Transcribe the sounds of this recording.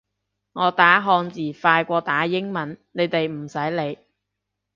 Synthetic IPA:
ŋɔː˨˧t̪aː˨˥ɦɔː˧ŋt͡siː˨˩faː˧jkʷɔː˧t̪aː˨˥jɪ˥ŋmɐ˨nne˨˧jt̪e˨jm̩˨˩sɐ˨˥jle˨˧j

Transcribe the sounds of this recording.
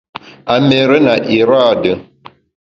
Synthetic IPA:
a˨me˨ɾe˦na˨ʔi˨ɾa˦˨d

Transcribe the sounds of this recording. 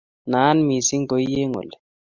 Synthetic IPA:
na˨˦nmi˨si˦ŋ˦ɡo˨˦je˦ŋo̰˨lɛ˨

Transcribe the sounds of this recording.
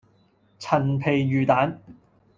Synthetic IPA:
t͡sʰɐ˨˩npʰe˨˩jjyː˨t̪aː˨˥n

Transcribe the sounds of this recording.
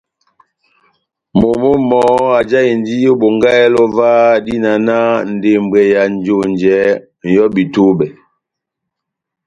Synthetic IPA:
mo˨mo˦mɔ˨˦a˨d͡ʒa˦i˨ndi˦jo˦bo˨ŋɡa˦ɛ˦lɔ˦va˦di˦na˨na˦n̩˨de˨m˨bɛ˨ja˨n˦d͡ʒo˦˨nd͡ʒɛ˨˦ | n˨jɔ˦bi˨to˦bɛ˨

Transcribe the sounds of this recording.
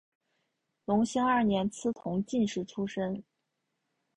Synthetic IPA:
lʊ˧˥ŋɕi˥ŋɐ˞˥˩njɛ˧˥nt͡sʰɹ̩˥t̪ʰʊ˧˥ŋt͡ɕi˥˧nʂɻ̩˥˩ʈ͡ʂʰu˥ʂə˥ŋ

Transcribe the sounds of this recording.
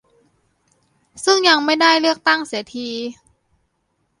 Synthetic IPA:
sɯ˥˩ŋja˧ŋma˥˩jda˥˩jlɯ˥˩ək̚t̪a˥˩ŋsiː˩˦t̪ʰiː˧

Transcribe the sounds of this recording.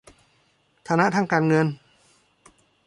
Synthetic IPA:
t̪ʰaː˧na˦˥t̪ʰaː˥˩ŋkaː˧nŋɤ˧n

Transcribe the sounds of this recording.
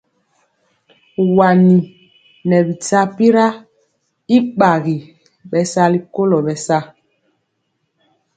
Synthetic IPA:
wa˨ni˨ | nɛ˨bi˨ta˦pi˦ɾa˦ | i˦ɓa˨ɣi˨ | ɓɛ˨sa˦li˨ko˦lɔ˨ɓɛ˨sa˦

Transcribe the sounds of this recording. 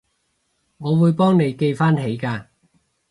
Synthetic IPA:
ŋɔː˨˧wuː˨˧jpɔː˥ŋne˨˧jke˧jfaː˥nɦe˨˥jkaː˧

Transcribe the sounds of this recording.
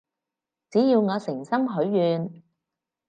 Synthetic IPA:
t͡siː˨˥jiː˧wŋɔː˨˧sɪ˨˩ŋsɐ˥ŋɦɵ˨˥ɥːyː˨˧n

